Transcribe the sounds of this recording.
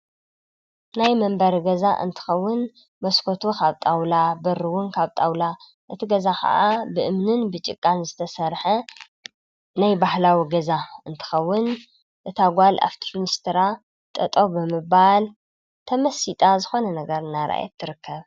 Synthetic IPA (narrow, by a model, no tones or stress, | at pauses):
najmɐmbɐɾɡɐzaʔɨ̰nt̪ʰɨ̥xɐwːʊn | mɐskʰot̪ʰukʰaβt̪ʼawlabɐrɨwʊnkʰaβt̪ʼawla | ʔɨt̪ʰiɡɐzakʰɐ̰ʔabɨʔɨmnɨnbɨt͡ʃʼɪ̰kʼːanzɨt̪ʰɐsɐɾħɐ | najbahlawiɡɐzaɨnt̪ʰɨ̥xɐwːʊn | ʔɨt̪ʰaɡʷalʔa̰ft̪ʰi̥finist̪ʰɾa | t̪ʼɐt̪ʼo̞bɨmɨbal | t̪ʰɐmɐsit̪ʼazɨxo̞nɐnɐɡɐɾɨnːaɾa̰jɛ̰t̪ʰːɨɾɨkʰːɐβ